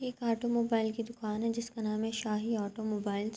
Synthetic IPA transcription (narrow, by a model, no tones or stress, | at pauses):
eːkaːʈomoːbaːɪlkid̪ʊkaːnɦɛd͡ʒɪskanaːmɦẽʃaːɦiaːʈomoːbaːɪls